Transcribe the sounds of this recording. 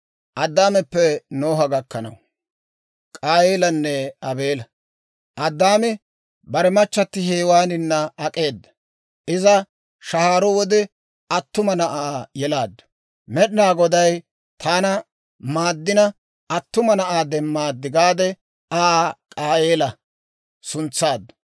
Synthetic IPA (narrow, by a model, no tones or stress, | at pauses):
ʔɐd̪ːaːmɛpːɛnoːɦɐɡɐkːɐnɐ̰w | kʼaːjeːlɐnːɛɐbe̞ːlɐ | ʔɐd̪ːaːmɛ | bɐɾɛmɐt͡ʃːɐt̪ːɪheːwaːnɪnːɐɐkʼe̞ːd̪ːɐ̥ | ʔɪzɐ | ʃɐhaːɾɔwɔd̪ɛ | ɐt̪ːʊmɐnɐʔaːjɛlaːd̪ːɐ̥ | mɛɗɪnaːɡɔd̪ɐj | t̪ʰaːnɐ | maːd̪ːɪnɐ | ɐt̪ːʊmɐnɐʔaːd̪ɛmːaːd̪ːɪɡaːd̪ɛ | aːkʼaːjeːlɐ | sʊnt͡sːaːd̪ːɐ̥